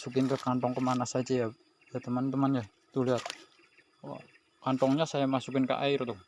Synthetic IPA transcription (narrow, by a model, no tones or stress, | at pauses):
sukɪnkəkant̪ɔŋkəmanasad͡ʒaja | jat̪əmant̪əmanja | t̪uliɦat̪̚ | wa̰ | kant̪ɔŋɲasajamasuk̬ɪnkə̰ʔa̰ɪrt̪uh